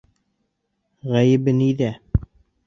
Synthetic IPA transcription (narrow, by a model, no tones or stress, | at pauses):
ʁæjɘ̆bɘniðæ